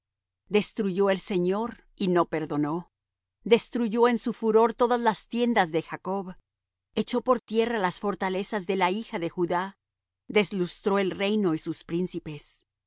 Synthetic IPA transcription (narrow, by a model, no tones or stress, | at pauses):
d̪e̞st̪ɾuʝo̞e̞lse̞ɲo̞ɾ | ino̞pe̞ɾðo̞no | d̪e̞st̪ɾuʝo̞e̞nsufuɾo̞ɾt̪o̞ðazlast̪je̞nd̪azðe̞xako̞β | e̞t͡ʃo̞po̞ɾt̪je̞ralasfo̞ɾt̪ale̞sazðe̞laixaðe̞xuða | ðe̞zlust̪ɾoe̞lre̞jno̞isuspɾinsipe̞s